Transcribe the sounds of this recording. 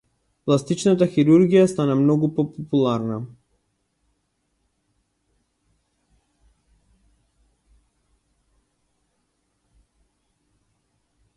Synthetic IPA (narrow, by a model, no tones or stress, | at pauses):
plˠast̪it͡ʃnat̪axiɾuɾɡijast̪anamnɔɡupɔpɔpulˠaɾna